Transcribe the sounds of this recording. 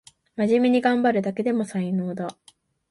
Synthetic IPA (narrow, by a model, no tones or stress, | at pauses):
maʑimʲiɲ̟iɡãmbaɾɯ̟d̪ake̞d̪e̞mo̞saino̞ːd̪a